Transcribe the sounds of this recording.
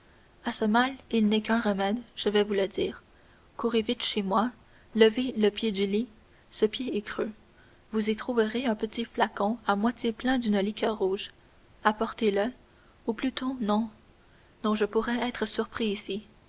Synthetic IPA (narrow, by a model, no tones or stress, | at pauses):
asəmalilnɛkɛ̃ʁəmɛd̪ʒ̥əvɛvuləd̪iːʁ | kuʁevit̪ʃemwa | ləveləpjed̪yli | səpjeɛkχø | vuzit̪χuvəʁeɛ̃pət̪iflakɔ̃amwat̪jeplɛ̃d̪ynəlikʰʲœʁːuːʒ | apɔʁt̪elə | uplyt̪onɔ̃ | nɔ̃ʒəpuʁɛɛːt̪χəsyʁpχiːsi